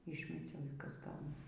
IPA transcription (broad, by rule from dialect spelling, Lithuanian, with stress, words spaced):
ˈiːʃʲmʲɛt͡sʲɛʊ iː ˈkɐs ˈɡɐʊnɐs